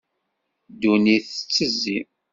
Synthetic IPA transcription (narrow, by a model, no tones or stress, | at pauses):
d̪uniθət͡sːəzːi